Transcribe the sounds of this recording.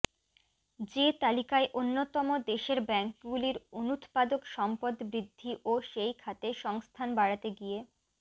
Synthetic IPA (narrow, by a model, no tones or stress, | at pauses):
d͡ʑet̪alikaeʔonːot̪ɔmod̪eʃeɾbɛŋkɡuliɾonut̪pad̪okʃɔmpod̪bɾid̪ʱːiʔoʃejkʰat̪eʃɔŋst̪ʰanbaɽat̪eɡije